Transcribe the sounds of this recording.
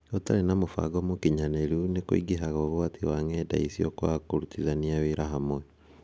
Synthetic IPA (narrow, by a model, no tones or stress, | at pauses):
otalenamofa̰ɡɔmokiɲaneɾunekoḭɡiɦaɣoβwatʰiwaŋɛda̰isiɔkwakoɾutizaniawiɾaɦamwɛ